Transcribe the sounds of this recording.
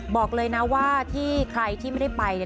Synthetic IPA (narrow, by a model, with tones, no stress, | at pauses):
bɔː˨˩k̚lɤː˧jna˦˥waː˥˩t̪ʰiː˥˩kʰɾa˧jt̪ʰiː˥˩ma˥˩da˥˩jpa˧j